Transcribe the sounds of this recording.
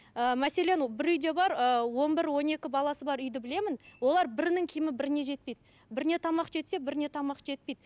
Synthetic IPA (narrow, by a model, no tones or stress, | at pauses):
əmæse̞le̞nbɪɾʏjd̪e̞bɑɾəwo̞nbɪɾwo̞ne̞kʲɪbɑlˠɑsəbɑɾʏjd̪ɪbɪle̞mɪnwo̞lˠɑɾbɪɾnɪŋkʲʰɪjɪmɪbɪɾɪne̞ʒe̞t̪̚pe̞jd̪ɪ | bɪɾɪne̞t̪ʰɑmɑqʒe̞t̪se̞bɪɾne̞t̪ʰɑmɑqʒ̥e̞t̪̚pe̞jd̪